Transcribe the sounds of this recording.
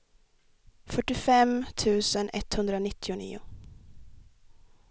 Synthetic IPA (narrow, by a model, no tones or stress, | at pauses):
fœʈːɪfɛmt̪ʰʉ̟ːsənɛt̪hɵnd̪ɾənɪt̪ːɪʊnḭːʊ̰